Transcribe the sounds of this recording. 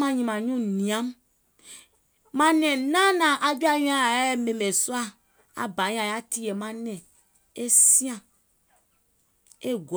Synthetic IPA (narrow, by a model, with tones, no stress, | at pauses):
mã˨ɲĩ˨mã˨ɲũ˦nĩ˨ã˦m | mã˦nɛ̃˨nã˦nã˨ʔa˨d͡ʒu˦a˦jĩ˦ã˦˨˦e˦me˨me˨so˦a˦ | a̰˨ba˨˦ɲ̃˦ã˨ja˦t̪i˦je˨mã˦nɛ̃˨ | e˦sĩ˦ã˨ | e˦ɡ